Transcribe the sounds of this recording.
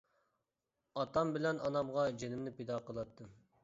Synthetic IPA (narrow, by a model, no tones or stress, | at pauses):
ɑt̪ɑmbɪlɛnʔɑnɑmʁɑd͡ʒenɪmnɪped̪ɑːqəlˠɑt̪ʰːɨ